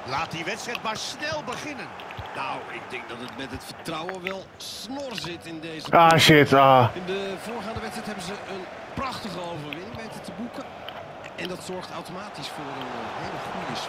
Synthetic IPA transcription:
laːt̚diʋɛtstrɛjtmasnɛlˠbəχɪnənː | awɪɡ̚dɛŋɡ̚dɑtətmɛtɦətfəɹtrawəʋɛlˠ | snɔrzɪtɪndejzəʔaʃɪtaːɪndəvoːrχaːndəʋɛtsrɛjtɦɛbəzəʔən | prɑχtəχəowvərʋɪnɪŋmɛntətəbukən | ɛndɑtsɔɹχtawtomaːtisfʊːɾənɦejləχuəs

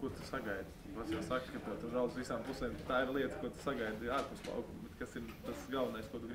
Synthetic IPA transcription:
kuɔt̪u̥saɡajd̪ | pasjasakkɨt̪ɛt̪uɾaʊzʋisaːmplˠusɛːmt̪aːiɾlˠiɛt̪kuɔt̪u̥saɡaɪd̪aːɾpust̪lˠɑ̰ʊkumbɛt̪kasiɾt̪asɡalˠʋɐnajskuɔt̪uɡɾ

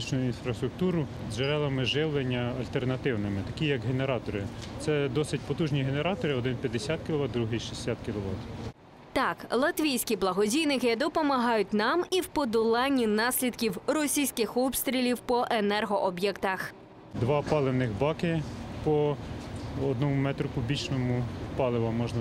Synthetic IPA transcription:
it͡ʃnʊjinfɾɐst̪ɾʊk̚t̪uɾʊ | zʒeɾɛlˠɐmɪʒɪwlˠenʲːɐɐlʲt̪ernɐt̪ɪwnɪmɪt̪ɐkʲijɐkɦeneɾɑt̪ɔɾɪt̪sɛd̪ɔsɪtʲpɔt̪uʒnʲiɦeneɾɑt̪ɔɾɪɔd̪ɪnpʲjɐd̪ːesʲɑt̪̚kʲɪlˠɔʋɑd̪d̪ɾuɦɪjʃisʲsʲat̪kʲɪlˠɔʋɑ̰t̪ | t̪ɑklˠɐt̪ʋʲijsʲkʲiblˠɐɦɔdʲijnɪkɪd̪ɔpɔmɐɦɑjʊt̚ʲnɑmiwpɔd̪ʊlˠɑnʲːinɑsʲlʲid̪kʲiwrɔsʲijsʲkɪxɔpst̪ɾʲilʲiwpɔʔenɛrɦɔʔɔbjɛkt̪ɐx | d̪ʋɑpɑlˠewnɪxbɑkɪpɔ | ɔd̪nɔmumɛt̪ɾʊkʊbʲit͡ʃnɔmʊpɑlˠɪʋɐmɔʒnɐ

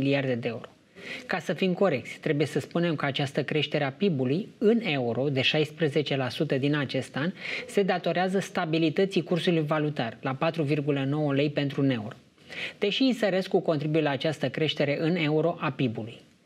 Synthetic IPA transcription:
iliard̪e̞d̪eeuɾo̞ | kasəfimko̞ɾe̞k̚t̪sʲt̪ɾe̞buje̞səspune̞mkəat͡ʃast̪əkɾe̞ʃt̪e̞ɾeapibulujɨne̞uɾo̞d̪e̞ʃajspɾeze̞t͡ʃe̞lasut̪əd̪inat͡ʃe̞st̪anse̞d̪at̪o̞ɾeazəst̪abilit̪ət̪sikursulujvalut̪arlapat̪ɾuvirɡuləno̞wəle̞jpe̞nt̪ɾune̞uɾo̞ | d̪̥e̞ʃiːnsəɾeskuko̞nt̪ɾibujlaːt͡ʃast̪əkɾe̞ʃt̪e̞ɾe̞ʔɨne̞uɾo̞ʔapibuluj

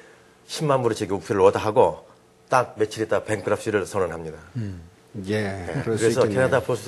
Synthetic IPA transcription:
ɕʰimːanbuɾit͡ɕeɡiuk̚pʰiɾɯɭwʌdaɦaɡo | t͈ak̚me̞t͡ɕʰiɾit͈ape̞ŋk͈ʰɯɾap̚ʰɕ͈iɾɯɭsʰʌnɯnɦamɲida | jekɯɾe̞sʰʌkʰenadapʰosʰ

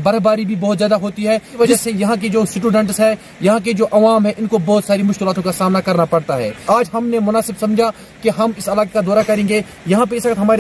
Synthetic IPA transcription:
bɐɾbaːɾibʱibɔːt̪zjaːd̪aɦoːt̪iɦɛːʋɐd͡ʒasejɐɦãk̬ed͡ʒoːsɪʈuːɖə̃ɳʈsɦɛ | jɐɦãked͡ʒoːʔɐʋaːmɦɛ̃ʔɪnkobɔːt̪saːɾimʊʃkɪlaːt̪õkasaːmnakɐɾnapɐɽt̪aɦɛ̰ːaːd͡ʒɦɐmnemʊnaːsɪbsɐ̃md͡ʒʱa | keɦɐmɪsɐlaːkekad̪ɔːɾakɐɾẽːŋɡe | jɐɦãp̬eɪsʋɐkt̪ɦɐmaːɾe

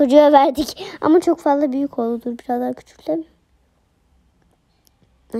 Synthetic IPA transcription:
o̞d͡ʒujavæɾd̪ica̰mat͡ʃʰo̞kfazlˠabyjycʰo̞lˠd̪ud̪uɾbiɾazd̪aɾcʰy̥t͡ʃʰy̥cʲlʲem

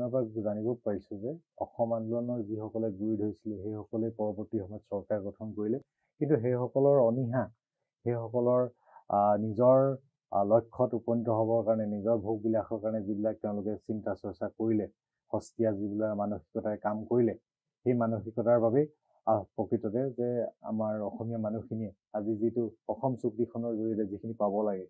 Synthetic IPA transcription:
ɔpakzanibɔpaɹisuzɛɔxɔmanluɔnɔɹzixɔkɔlɛɡuidʱɦojsilɛɦejxɔkɔlɛpɔɹɔbɔɹtixɔmɔjɔtsɔɹkaɹɡɔtʰɔnkoɹilɛ | kintuɦejxɔkɔlɔɹɔniɦa | xejxɔkɔlɔɹ | nizɔɹ | lɔjkʰːɔtupɔntɔɦɔbɔɹkaɹɔnɛnizɔɹbʱuɡ̚bilaxɔɹkaɹɔnɛzibilak̚tɛʊ̃lʊkɛsintasɔɹsakoɹilɛ | xɔstiaazibilakmanoxi̥kɔtaɛkamkoɹilɛ | xejmanoxikɔtaɹbabɛ | apɹɔkɹitɔtɛzɛa̰maɹɔxɔmijamanuxiniɛ | azizitʊɔxɔmsuktikʰɔnɔɹzoɹitɛzikʰinipabɔlaɡɛ

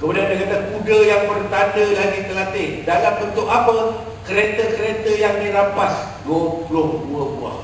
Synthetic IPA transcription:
kəmudiandikat̪akudəjaŋbərt̪andədaɡit̪əlat̪ɪdalamənt̪ʊʔapə | kəɾet̪əkəɾet̪əjaŋdiɾapas | duəplʊhduəbua̰h

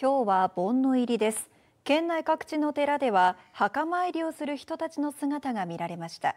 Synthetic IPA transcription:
kʲo̞ːβabõ̞nːo̞iɾʲid̪e̞sɨ̥ | kẽ̞nːaikakɯ̥t͡ɕino̞t̪e̞ɾad̪e̞βahakamaiɾʲio̞sɨɾɯ̟çi̥t̪o̞t̪at͡ɕino̞sɨŋat̪aɡamʲiɾaɾe̞maɕi̥t̪a̰

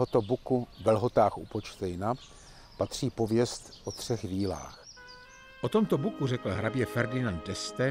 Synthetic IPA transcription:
ot̪obukuvɛlɦo̞t̪aːxʔṵpo̞t͡ʃt̪ɛjna | pat̪r̝̥iːpo̞vjɛst̪ʔot̪r̝̥ɛxviːla̰ːx | ʔot̪o̞mt̪obukurɛkl̩ɦɾabjɛfɛɾdɪnant̪̚dɛst̪ɛ

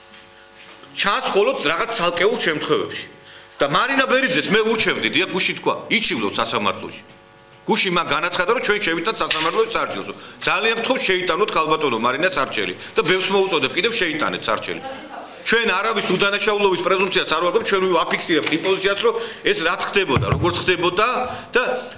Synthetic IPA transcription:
t͡ʃʰãnsmχɔlˠɔd̪ɾaʁat̪ssʰalˠkʼɛulˠʃɛmt̪ʰχwɛvɛ̰pʃi̥ | d̪̥amaɾinabɛɾid̪zɛsmɛuɾt͡ʃʰɛvd̪id̪iaχɡuʃint̪ʰkʰwa̰it͡ʃʰivlˠɔpsasama̰ɾt̪ʰlˠɔ̰ʃi̥ | ɡ̥uʃinmaɡanat̪sʰχad̪aɾɔt͡ʃʰwɛnʃɛvit̪ʼant̪sasamaɾt̪ʰlɔʃit̪saɾt͡ʃʰɛ̰lˠsɔd̪zaliankt̪ʰχɔʃʃɛit̪ʼanɔt̪̚ʰkʰalˠbat̪ʼɔnɔmaɾinasaɾt͡ʃʰɛ̰lḭd̪̥abɛfsmɔut̪sʼɔd̪ɛp̚kʼid̪ɛvʃɛit̪ʼa̰nɛ̰t̪ʰsa̰ɾt͡ʃʰɛ̰li | t͡ʃʰwɛnaɾavisud̪anaʃaulˠɔvispʼɾɛzumpt̪sʰiasaɾvalʁɛpt̪̚t͡ʃʰwɛniapʰikʰsiɾɛp̚t̪ʰimpʼɔzit̪siasɾɔɛsɾat̪sʰχd̪ɛbɔd̪a̰ɾɔɡɔɾt̪sʰχd̪ɛbɔd̪ad̪̥a

